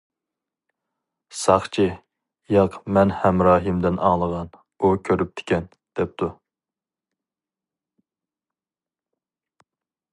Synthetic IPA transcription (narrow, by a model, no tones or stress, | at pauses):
sɑχt͡ʃʰi | jɑqmɛnhɛmɾɑːɦɨmd̪ɪnʔɑ̰ŋlˠəʁɑn | ukʲʰøɾyp̚t̪ʰɪ̥kʲʰɛn | d̪̥ɛp̚t̪ʰu